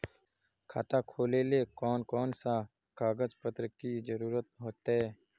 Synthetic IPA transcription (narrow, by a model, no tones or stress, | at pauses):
kʰa̰ːt̪aːkʰoːleːleːkɔːnkɔːnsaː | kʰaːɡəzpət̪ɾkiːzəɾuːɾət̪̚ɦoːt̪eː